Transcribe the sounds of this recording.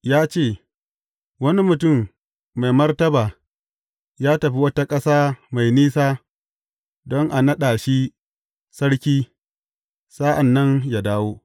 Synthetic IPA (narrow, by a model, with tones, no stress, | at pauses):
jaː˦t͡ʃeː˦˨ | wɐ˦ni˦mʊ˨tʊ˦˨mː | a˨jmɐ˦rtɐ˦baː˨ | jaː˦tɐ˨ɸi˦wɐ˦ta˦kʼɐ˦saː˦ma˨jniː˦saː˦ | dɔ˦ŋʔa˨nɐ˦ɗaː˨ʃi˦ | sɐ˦ɽkʲiː˦ | saː˦ʔa˨nːɐ˦ŋja˨daː˦woː˦